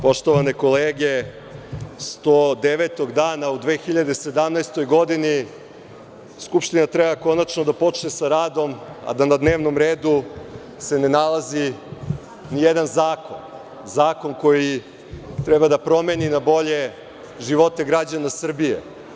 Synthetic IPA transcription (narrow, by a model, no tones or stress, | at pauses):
po̞ʃt̪o̞ʋaneko̞leːɡe | st̪od̪eʋet̪o̞ɡd̪aːnaud̪ʋeːxiʎad̪e̞se̞d̪amnaest̪o̞jɡo̞d̪ini | skupʃt̪inat̪ɾebako̞nat͡ʃnod̪apo̞t͡ʃnesaɾaːd̪o̞ma̰d̪anad̪neːʋno̞mɾeːd̪u | se̞ne̞nalˠazi | nijed̪anzaːko̞n | zaːko̞nko̞ji | t̪ɾɛbad̪apɾo̞meninabo̞ʎe̞ | ʒiʋo̞t̪eɡɾad͡ʑanasr̩bijḛ